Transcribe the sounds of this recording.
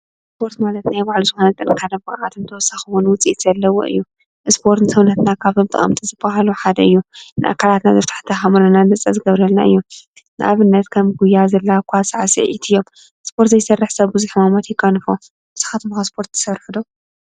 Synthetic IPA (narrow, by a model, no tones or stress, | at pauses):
spʰo̞ɾt̪malɐt̪najbaʕluzɨxonɐt̪ʼɨnkʰad̪ɐmɨʕat̪ʰɨnt̪ʰɐwɔsːaxɨwunwʊt͡sʼit̪z̥ɐlːɐwo̰ʔɨ̰jːu | ʔspʰo̞ɾt̪nɨsɐβnɐt̪nakʰaβt̪ʰomt̪ʼɨ̰χʼɐ̰mt̪ʼizɨb̥aɦaluħad̪ɐɨjːunɨʔa̰kʰːalat̪nazɐft̪ʰḁħt̪ʰɐxamɨɾɐnadɐt͡sʼːɐzɨɡɐβɾɐlnaʔɨ̰jːu | nɨ̰ʔaβɨnːɐt̪kʰɐmɡujazɐlːakʰʷasɨʕasɨ̰ʕḭt̪ʰɨjːom | spʰo̞ɾt̪zɐjsɐrːɨħsɐβbuzɨħɨmamot̪jɪkʼːɐnfo | bɨsɨ̥xat̪ʰmxaspʰo̞ɾt̪ʰɐ̥sɐβrħud̪o